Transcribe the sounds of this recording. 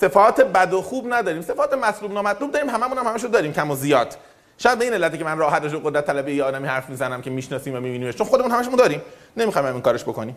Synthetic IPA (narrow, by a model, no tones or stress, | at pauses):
se̞fɒːt̪ʰebæd̪oxuːbnæd̪ɒːɾiːmse̞fɒːt̪ʰe̞mæt̪luːbnɒːmæt̪ʰlubd̪ɒːɾiːmhæmæmunhæmhæmæʃ̬ud̪ɒːɾiːmcʰæmozijɒːd̪̥ | ʃɔjæd̪beinelːæt̪iːcʰemænrɒːɦæt̪̚d̪eʃ̬obeɣod̪ɾæt̪ʰːælæbejejeːd̪æmihæɾfmiːzænæmcʰemiːʃnɒːsiːmvæmiːbiːniːmeʃt͡ʃʰonxo̞d̪eunhæmæʃumund̪ɒːɾiːm | ne̞miːxɒːjmæmiːŋkɒːɾeʃbokʰoniːm